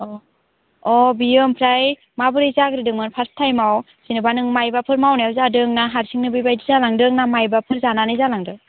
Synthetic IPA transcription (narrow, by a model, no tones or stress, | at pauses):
ɔ | ɔbijɯmpʰɾaj | mabɯɾizaɡɾidɯŋmɯnpʰastʰajmaw | sinɯbanɯŋmajbapʰɯɾmawnajawzadɯŋnaɦaɾsiŋnɯbibajdizalaŋdɯŋnamajbapʰɯɾzananɯjzalaŋdɯ